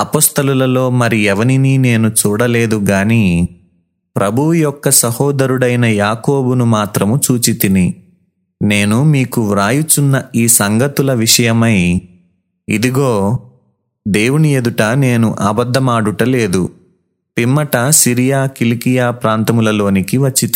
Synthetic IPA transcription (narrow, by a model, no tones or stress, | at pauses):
ɐpɔːst̪ɐlulɐlo̞ːmɐɾiɛʋɐninine̞ːnut͡ʃuːɽɐle̞ːd̪uɡaːni | pɾʔɐbʱuwujɔkːɐsɐhɔːd̪ɐɾuɽɐjnɐjaːkoːbunumaːt̪ɾɐmut͡ʃuːt͡ʃit̪ini | ne̞ːnumiːkuɾaːjut͡ʃunːɐiːsɐŋɡɐt̪ulɐʋiʂɐjɐmɐj | id̪iɡo̞ː | d̪e̞ːwunied̪uʈɐne̞ːnuʔɐbɐd̪ʱːɐmaːɽuʈɐle̞ːd̪u | pimːɐʈɐsiɾijaːkilikijaːpɾaːnt̪ɐmulɐlo̞ːnikiʋɐt͡ʃːit̪i